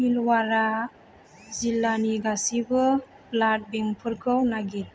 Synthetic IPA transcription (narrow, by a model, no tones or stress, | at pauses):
milwaɾa | zilːaniɡasibɯ | plat̚beŋpʰɯɾkʰɯwnaɡit̚